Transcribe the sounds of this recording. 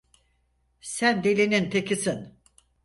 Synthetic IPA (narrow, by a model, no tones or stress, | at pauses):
sænd̪elʲinint̪ʰekisin